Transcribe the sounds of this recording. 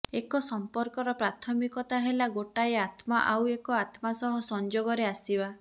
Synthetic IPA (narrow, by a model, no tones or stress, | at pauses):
ekɔsɔmpɔɾkɔɾɔpɾat̪ʰɔmikɔt̪aɦelaɡoʈaeat̪maʔawekɔat̪masɔɦɔsɔnd͡ʒoɡɔɾeasiba